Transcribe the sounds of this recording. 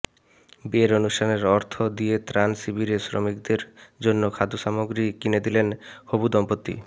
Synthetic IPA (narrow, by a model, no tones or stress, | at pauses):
beeɾonuʃʈʰaneɾɔɾt̪ʰod̪iet̪ɾansibʱiɾesɾo̰mikd̪eɾd͡ʑonːokʰad̪uʃamoɡɾikined̪ilenhobud̪ɔmpot̪ːḭ